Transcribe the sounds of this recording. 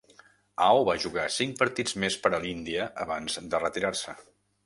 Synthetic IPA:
awβaʒuɣasiŋk̚pəɾt̪id͡zmespəɾəlind̪iəʔːβanzd̪ərət̪iɾaɾsə

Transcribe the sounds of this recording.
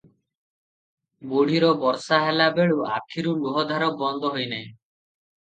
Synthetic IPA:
boɽ̤iɾɔbɔɾsaɦelabeɭuʔa̰kʰiɾuluɦɔd̪ʱaɾɔk̚bɔnd̪ʱɔɦojnaẽ

